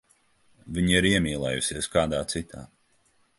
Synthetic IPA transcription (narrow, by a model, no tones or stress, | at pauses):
vʲiɲiɾiɛmiːlˠɛ̰ːjṵsiɛskaːd̪aːt̪sit̪a̰ː